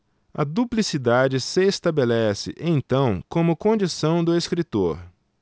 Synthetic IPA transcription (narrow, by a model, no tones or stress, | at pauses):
ɐ̰d̪uplisid̪ad͡ʒɪsɪest̪abelɛsɪ̰ʔẽt̪ɐ̃w̃kõmʊkõd͡ʒisɐ̃w̃d̪ʊeskɾit̪oɾ